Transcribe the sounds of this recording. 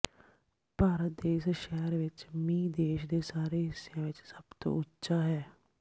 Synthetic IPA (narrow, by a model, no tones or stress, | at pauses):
paːɾət̪̚d̪eːsʃɛːɾʋɪt͡ʃmĩːd̪eːʃd̪eːsaːɾeːɦɪsːejãːʋɪt͡ʃsəbt̪õ̰ːʊtːʃaːɦɛː